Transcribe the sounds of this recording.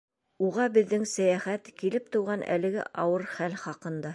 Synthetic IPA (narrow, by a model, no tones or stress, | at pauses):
uʁɑbɘ̆ðːɘŋsæjæχæt̪kilɘp̚t̪ŏwʁɑnʔæ̰lɘ̆ɡɘ̰ʔɑwɤɾχælχɑqɤ̆nd̪ɑ